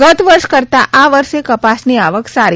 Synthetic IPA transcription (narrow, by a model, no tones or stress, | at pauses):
ɡət̪ʋəɾʃkəɾt̪aʔaʋəɾʃekəpasniaʋəksaɾi